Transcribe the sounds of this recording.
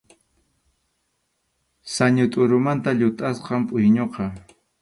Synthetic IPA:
saɲʊt̪ʼʊɾʊmant̪aʎʊt̪ʼasqɑmpʼʊjɲoqɑ

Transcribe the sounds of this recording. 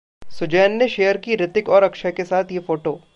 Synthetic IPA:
sʊd͡ʒɛːnːeʃeːjəɾkiɾɪt̪ɪkɔːɾɐkʃəkesaːt̪ʰjefoːʈoː

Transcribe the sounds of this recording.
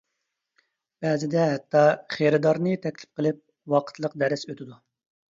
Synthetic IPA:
b̥ɛːzɪd̪ɛɦɛt̪ʰːɑχeɾɨd̪ɑɾnɨt̪ʰɛkʲlɪ̥p̚qʰəlˠɪp̚ | wɑqʰə̥t̪ʰlˠəqd̪ɛɾɪsøt̪ʰɪd̪u

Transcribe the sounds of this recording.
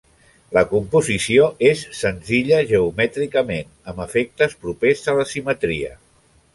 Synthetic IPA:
ləkumpuzisioesːənziʎəʒəumɛt̪ɾikəmen | əməfek̚t̪əspɾupezələsimət̪ɾiə̰

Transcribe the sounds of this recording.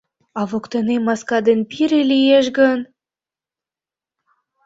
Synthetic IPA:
ɑβokt̪ɤ̆nemɑskɑd̪enpiɾelijeʃ̬ɡən

